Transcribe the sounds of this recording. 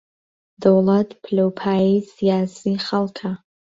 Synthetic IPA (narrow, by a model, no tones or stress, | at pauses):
d̪̥ɐwlˠɐt̪ʰpʰlowpʰaːisijaːsiχɐlˠkʰɐ